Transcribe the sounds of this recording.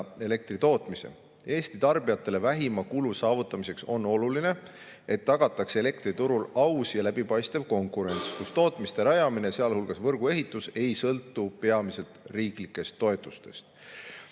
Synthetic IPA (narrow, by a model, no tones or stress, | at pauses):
e̞le̞k̚t̪rit̪o̞ːt̪ˑmise̞̰ | e̞ːst̪it̪ɑrb̥ijɑt̪ːˑe̞le̞væɦimɑkulusɑːvut̪ːˑɑmise̞kso̞no̞luline̞ | e̞t̪ːɑɡ̥ɑt̪ːˑɑksee̞le̞kt̪rit̪uɾulɑwsjɑlæbipɑjst̪evko̞ŋkˑuɾe̞nʲt̪skust̪o̞ːt̪ˑmist̪eɾɑjɑmineseɑlhulɡ̥ɑsvɤrɡ̥ue̞ɦit̪ːˑuse̞jsɤlt̪ːˑupe̞ɑmise̞lt̪riːklikːˑe̞st̪ːo̞et̪ːˑust̪e̞̰st̪